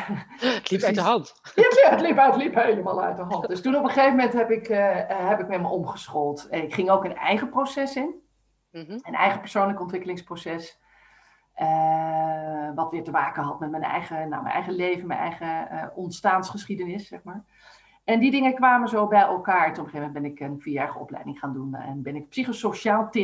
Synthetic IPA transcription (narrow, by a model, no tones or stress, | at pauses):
tliɦɑnt | jaaətlipətlipɦejləma̰ːlˠœ̰ɥtdəɦɑntdøstunɔpəχejvəmɛntɦɛpɪkɦɛpɪkmɛməʔɔmχəsχɔlˠtɛnɪkχɪŋowkənɛ̰jχəprosɛsɪn | ənɛ̰jχəpəɹsoːnləkəɔntʋɪkəlɪŋsprosɛs | ə | ʋɑtʋɪːɹtəmaːkəɦɑtmɛt̚mɛnɛ̰jχəna̰mɛ̰nʔɛ̰jχəlejvənmɛnɛ̰jχəʔɔntstaːnsχəsχidənɪsːɛχmaːɹ | ɛndidɪŋəkʋaːməzoːbɛjʔɛ̰lˠkaːɹtunɔpəχevmɛndbɛnɪkənfiəɛɹəɔ̰plɛ̰jdɪŋχaːndunɛ̰nbɪnɪkpsiχosoʃaːlˠtɪ